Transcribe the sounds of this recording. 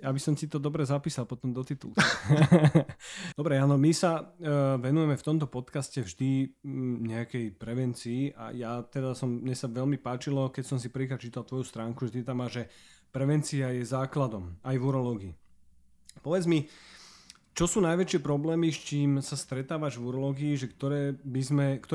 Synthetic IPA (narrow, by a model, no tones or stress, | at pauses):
jabisɔmsit̪ɔd̪ɔbɾɛzapiːsalˠpɔt̪ɔmd̪ɔt̪it̪ulk̪i | d̪ɔbɾɛaːnɔmisaʋɛnujɛmɛft̪ɔmt̪ɔpɔt̪kascɛvʒd̪i | ɲɛakɛjpɾɛʋɛnt͡siːʔa̰jat̪ɛd̪asɔmmɲɛsaʋɛlmipaːt͡ʃilɔkɛcsɔmsipɾixat͡ʃiːt̪alt̪ʋɔjust̪ɾaːŋkuʒɛt̪it̪amːaːʒɛpɾɛʋɛnt͡siajɛzaːklad̪ɔmajʋuɾɔlɔːɡiː | pɔʋɛd͡zmi | t͡ʃɔsuːnajʋɛt͡ʃɪɛpɾɔblɛːmist͡ʃiːmsast̪ɾɛt̪aːʋaʒʋuɾɔlɔːɡiːʒɛkt̪ɔɾɛːbizmɛkt̪ɔ